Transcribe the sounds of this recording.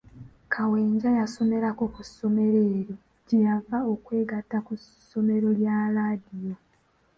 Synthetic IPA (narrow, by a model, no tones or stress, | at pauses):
kʰaweːɲɟajaso̞me̞ɾako̞kusːo̞me̞ɾeːɾo | ɟejavao̞kwe̞ːɡatːakussːo̞me̞ɾo̞ljaːɾaːdijo̞